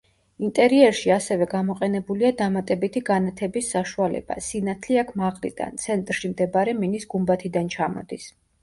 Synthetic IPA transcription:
int̪ʼɛɾiɛɾʃiasɛvɛɡamɔqʼɛnɛbuliad̪amat̪ʼɛbit̪ʰiɡanat̪ʰɛbisːaʃualɛ̰b̥a̰sinat̪ʰliakʰmaʁlḭd̪a̰nt̪sʰɛnt̪ʼɾʃimd̪ɛbaɾɛminisɡumbat̪ʰid̪ant͡ʃʰamɔ̰d̪is

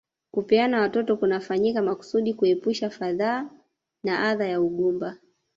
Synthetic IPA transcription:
kupianawatɔtɔkunafaɲikamaku̥suɗikuɛpuʃafaðaː | naʔaðajauɠumba

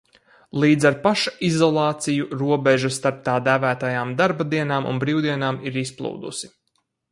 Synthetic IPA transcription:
lˠiːd̪zaɾpaʃḁizɔlˠɑːt̪sijuɾuɔbeʒast̪aɾp̚t̪aːd̪æːvæːt̪ajaːmd̪aɾbad̪iɛnaːmʔṵnbɾiːwd̪iɛnaːmiɾisplˠṵːd̪ṵsi̥

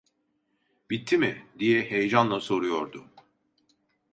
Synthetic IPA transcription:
bit̪ʰːimɪd̪ijɛhejd͡ʒanlˠaso̞ɾujo̞ɾd̪ʊ

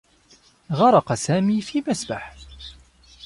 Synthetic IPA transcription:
ɣɑɾˤɑqɑsaːmiːfiːmasbaħ

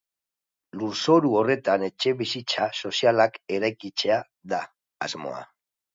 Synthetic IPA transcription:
luɾso̞ɾuo̞re̞t̪ane̞t͡ʃe̞βisit͡saso̞sialake̞ɾajkit͡se̞a | ða̰ː | zmo̞̰a̰

